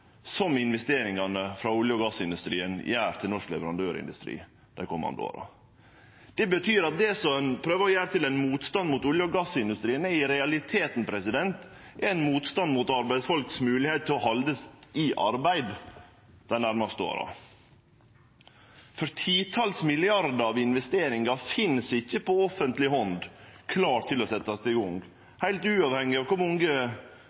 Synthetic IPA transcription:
sɔmɪnʋɛst̪eːɾɪŋɑnəfɾɑʊljʊɡɑsːɪnd̪ʉst̪ɾḭːənjæːɾt̪ʰɪlnɔʂklɛ̰ʋəɾɑnd̪øːɾɪ̰nd̪ʉst̪ɾḭː | d̪̥æ̰ɪkʰʊmɑ̰nd̪o̰ːɾɑ̰ | d̪̥ɛbət̪ʰyːɾɑt̪̚d̪ɛsɔɛnpʰɾøːʋəɔjæːɾət̪ɪlɛɪnmuːt̪st̪ɑnmuːt̪ʊljʊɡɑsːɪnd̪ʉst̪ɾiːənɛɪɾɛɑlɪt̪ʰeːt̪n̩pʰɾɛsɪd̪ɛnt̪ʔɛnmuːt̪st̪ɑnd̪muːt̪ɑɾbæɪd̪sfɔlksmʉːlɪheːt̪ʰːɪlɔhɑld̪əsɪʔɑ̰ɾbæɪd̪ | d̪̥ænæɾmɑst̪əo̰ːɾɑ̰ | fɔɾt̪ʰiːt̪ʰɑlsmɪlɪɑɾd̪əɾɑʋɪnʋɛst̪eːɾɪŋɑfɪnsɪçːəpʰɔɔfənt̪lɪhɔnd̪kʰlɑːʈt̪ʰɪlɔsɛt̪ːɑst̪ɪɡɔŋ | hæɪlt̪ʉːɑːʋhɛŋːɪɑːʋkʰʊɾmʊŋɡə

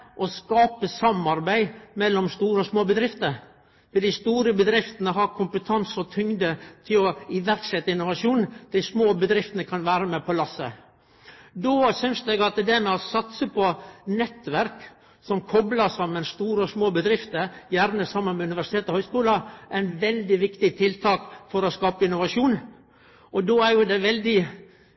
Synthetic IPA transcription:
ʔɔskɑːpəsɑmɑɾbæɪmɛlːɔmst̪uːɾəɔsmoːbəd̪ɾɪft̪əɾ | fɔɖ̪ist̪uːɾəbəd̪ɾɪft̪ənəɦɑɾkʰʊmpət̪ʰɑnsɔt̪ʰʏŋd̪ət̪ʰɪlɔɪʋæɾksɛt̪ːəɪnːʊʋɑʂuːnd̪̥æsmoːbəd̪ɾɪft̪ənəkʰɑnʋæːɾəmɛpɔlɑsːə̰ | d̪oːsʏnsd̪ɛɡɑt̪d̪ɛmɛɔsɑt̪səpʰɔnɛt̪ːʋæɾk | sɔmkʰɔbləsɑmənst̪uːɾəɔsmoːbəd̪ɾɪft̪əɾjæɾnəsɑmːənmɛʉnɪʋæʂɪ̥t̪ʰeːt̪ɔhœʏskuːlɑʔæɪnʋɛld̪ɪʋɪkt̪ɪt̪ʰɪlt̪ʰɑːkfɔɾɔskɑːpəɪnːʊʋɑʂuːn | ʔɔd̪oːæɾjʊd̪ɛʋɛld̪ɪ

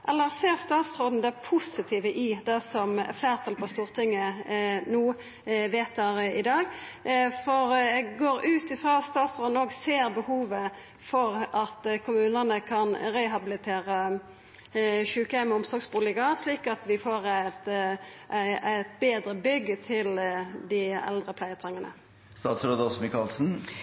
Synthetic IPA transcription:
ʔɛlːəʁseːʁst̪ɑːt̪sʁoːd̪n̩d̪ɛpʰʊsɪt̪ʰiːʋəʔɪd̪ɛsɔmfleːɾt̪ʰɑlpɔst̪uːʁt̪ʰɪŋːənuː | ʋeːt̪əɾɪd̪ɑːɡ | fɔɾɛɡɡoːɾʉːt̪ɪfɾɑːst̪ɑːt̪sʁoːd̪n̩oːɡseːɾbəhuːʋə | fɔʁʔɑt̪kʰʊmʉːnənəkʰɑnɾɛɦɑbɪlɪt̪ʰeːʁə | ʃʉːkəɛmɔmsɔlɡsbuːlɪɡəsliːkɑt̪ʋɪfoːɾæt̪ʔæɪt̪̚beːd̪ɾəbʏɡːət̪ʰɪld̪ɪɛ̰ld̪ɾəpʰlæɪət̪ʰɾɛŋːənə̰ | st̪ɑːt̪sɾoːd̪ɔsmɪkɑːlsn̩

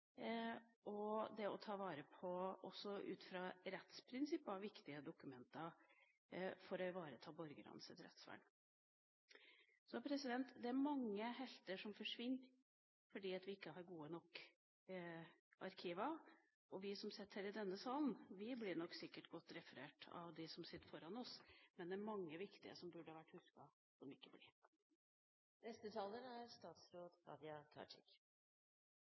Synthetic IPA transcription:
ɔd̪ɛɔt̪ʰɑːʋɑːɾəpʰɔʔɔsːɔʔʉ̰ːt̪fɾɑːɾɛt̪spʰɾɪnsɪpɑʋɪkt̪ɪəd̪ʊkʉmɛnt̪ɑ | fɔɾɔʋɑːɾət̪ʰɑːbɔɾɡəɾɑ̰nsɛ̰t̪ɾɛ̰t̪sʋæ̰ːɳ | sɔpʰɾɛsɪd̪ɛnt̪d̪ɛæɾmɑŋːəhɛlt̪əʂɔmfɔʂʋɪnː | fɔɖiːɑt̪ʋɪɪkːəhɑɾɡuːənɔkː | ʔɑɾkʰiːʋɑ | ɔʋɪsɔmsɛt̪ːhæːɾɪd̪ɛnːəsɑːlnʋɪblɪnɔkːsɪkːəʈɡɔt̪ːɾɛfəɾḛːʈɑ̰ʋd̪ɪsɔmsɪt̪ːfɔɾɑnɔsmɛnd̪ɛæɾmɑŋːəʋɪkt̪ɪ̰ə̰sɔmbʉɖəhɑʋæʈːhʉskɑ | sɔmɪkːəblɪ̰ɾ | nɛst̪ət̪ʰɑːləɾæɾst̪ɑːt̪sɾoːd̪ɑ̰d̪jɑt̪ʰɑ̰ːʈɪ̰k

